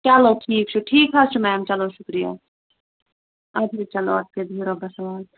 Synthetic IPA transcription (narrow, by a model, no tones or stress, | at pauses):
t͡ʃaloʈʰiːkt͡ʃʰuʈʰiːkɦat͡ʃʰumɛ̃ɐmt͡ʃɐlõʃʊkɾija̰ | ɐb̪ʱit͡ʃɐlo̰ɐt̪̚ked̪ʱiːɾobɐsɐʋaːl